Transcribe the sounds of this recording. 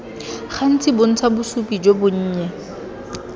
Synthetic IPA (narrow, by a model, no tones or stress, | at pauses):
χan̩t͡sɪbʊn̩t͡sʰabʊsupid͡ʒobʊɲ̩ːɲɛ